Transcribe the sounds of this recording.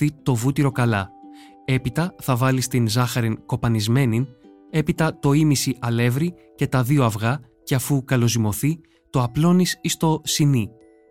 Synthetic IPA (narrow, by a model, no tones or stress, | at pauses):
it̪o̞vut̪iɾo̞kɐlɐ | e̞pit̪ɐθɐvɐlist̪inzɐxɐɾinko̞pɐnizme̞nin | e̞pit̪ɐt̪o̞imisiʔɐle̞vɾi | ce̞t̪ɐðio̞ɐvɣɐ | ceɐfukɐlo̞zimo̞θi | t̪o̞ɐplo̞nisist̪o̞sini